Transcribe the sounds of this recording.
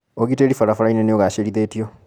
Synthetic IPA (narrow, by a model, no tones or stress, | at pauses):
oɡiteːɾifaɾafuɾainenejoɣaʃeɾiðeːtijo